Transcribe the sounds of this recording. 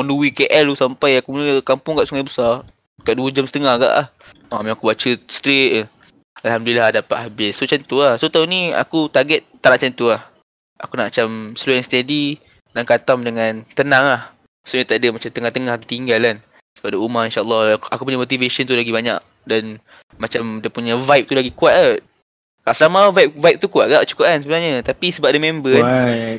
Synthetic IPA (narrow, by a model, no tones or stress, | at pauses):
ɔnduwikeʔɛlusampajakunkampʊŋkaʔsuŋajbəsar | kaʔduəd͡ʒamsət̪əŋahɡa̰ʔa̰h | mamakubat͡ʃəst̪ɾet̪̚ | alhamduliladapat̪habɪsːot͡ʃant̪uahsot̪aunia̰kut̪aɡɛt̪̚ːaʔnaʔt͡ʃant̪uah | ʔa̰kunaʔmat͡ʃamsəluanst̪edi | dankat̪amdəŋant̪ənaŋlah | soɲat̪aʔdəmat͡ʃamt̪əŋaht̪əŋahaku̥t̪iŋɡalan | sə̥bap̚daumahinʃaʔlːɔhakupuɲamot̪̬iveʃɔnt̪ulaɡibaɲa̰k̚ | dan | mat͡ʃamdiəpuɲavajp̚t̪ulaɡikuat̪̚a | kaʔsəlamavajp̚vajp̚t̪ukuat̪̚ɡaʔt͡ʃu̥kʊp̚ansəbənaɲət̪apisəbap̚dəmɛ̃mbə